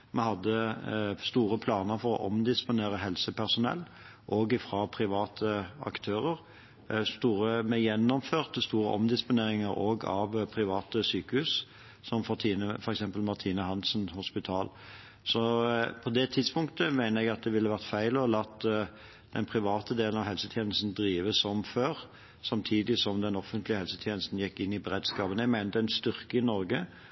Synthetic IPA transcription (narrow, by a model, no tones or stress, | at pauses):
mɛhɑd̪ːəst̪uːɾəpʰlɑːnəɾfɔɾɔ̰ʔɔmd̪ɪspʊneːɾəɦɛlsəpʰæʁsʊnɛ̰lː | ʔoːɡɪfɾɑːpʰʁɪʋɑːt̪ʰəɑ̰kt̪ʰøːʁəʁ | st̪uːɾəmɛjɛnːɔmføːʁt̪əst̪uːɾə̰ʔɔ̰md̪ɪspʊneːɾɪŋəɾoːɡɑ̰ʋpʰʁɪʋɑːt̪əsyːkəhʉːs | sɔmfɔt̪ʰiːnəfɔɾɛksɛmpəlmɑʁt̪ʰiːnəɦɑnsənhʊspɪt̪ʰɑːl | sɔpʰɔd̪ɛt̪ʰɪd̪spʊŋkt̪əmæɪnəʁɛɡɑt̪̚d̪ɛʋɪlːəʋæʁt̪fæɪlɔlɑt̪ː | d̪̥ɛnpʰʁɪʋɑːt̪əd̪eːlən̩ɑʋɦɛlsət̪ʰjɛːnəst̪n̩d̪ɾiːʋəsɔmføːʁ | sɑmt̪ʰiːd̪ɪsɔmd̪ɛnɔfənt̪lɪəhɛlsət̪ʰjɛːnəst̪n̩jɛkːɪnːɪbəʁeːd̪skɑːpənəɛæɡmæɪnət̪əɛnst̪ʏʁkəɪnɔɾɡə